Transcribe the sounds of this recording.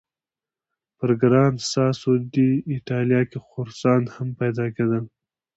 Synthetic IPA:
pəɾɡɾɑnsɑsod̪iɪʈɑljɑkexʊɾsɑnhampajd̪ɑked̪əl

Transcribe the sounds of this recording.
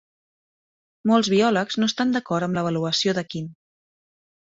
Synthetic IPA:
molˠzβiɔləkznoəst̪and̪əkɔɾt̪əmləβ̞əluəsioðəkin

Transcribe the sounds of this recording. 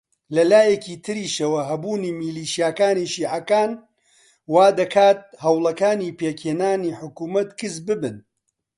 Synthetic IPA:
lɐlaːjɛkiːt̪ʰɨɾiːʃɐwɐɦɐbuːnimiliːʃijaːkaːniʃiːʕakaːn | waːd̪ɐkʰaːt̪̚hɐwlˠɐkaːniːpeːkʰeːnaːniːħʊkuːmɐt̪kʰɨsbɨbɨn

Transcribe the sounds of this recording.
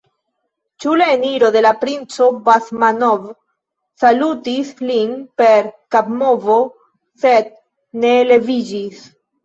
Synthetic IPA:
t͡ʃulaeniɾo̞d̪e̞lapɾint͡so̞basmanov | salutislinpe̞ɾkabmo̞vo̞ | se̞d̪̚ | ne̞le̞vid͡ʒis

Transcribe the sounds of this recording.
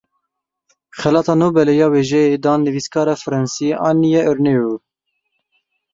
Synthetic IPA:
xɛlɑːt̪ɑːnuːbɛlɛjɑːweːʒɛjed̪ɑːnːɨviskʰɑːɾɑfɨɾɛnsiʔɑ̰ːnijɛʔɨɾneju

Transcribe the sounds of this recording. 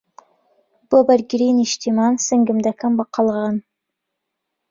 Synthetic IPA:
b̥obəɾɡʲɾiniʃt̪ʰimɑnsəŋɡɪmd̪ækʰambɑqʰːɑlˠʁɑn

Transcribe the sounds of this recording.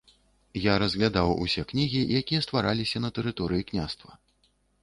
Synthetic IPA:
jaɾɐzɣlʲad̪awṵsʲɛknʲiɣʲijakʲijɐst̪vaɾalʲisʲɐnɐt̪ɛɾɨt̪ɔɾɨjiknʲast̪vɐ

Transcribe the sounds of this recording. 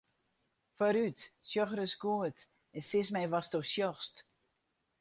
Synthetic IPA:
fɔɾytsjɔxərəskuət | ɛnsɪsmɛjʋastosjɔxst

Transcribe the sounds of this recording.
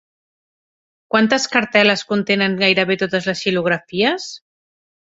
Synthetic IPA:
kwant̪əskəɾt̪ɛləskunt̪enəŋɡajɾəβet̪ot̪əzləsʃiluɣ̞ɾafiəs

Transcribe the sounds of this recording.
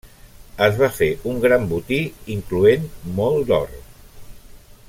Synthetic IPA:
əzβafeʔuŋɡɾambut̪iiŋkluenmɔlˠd̪ɔ̰r

